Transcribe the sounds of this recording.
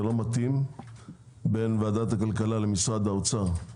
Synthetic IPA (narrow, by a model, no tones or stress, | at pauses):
elo̞mat̪im | be̞nvaːd̪at̪hakalkalale̞misʁad̪aot͡sa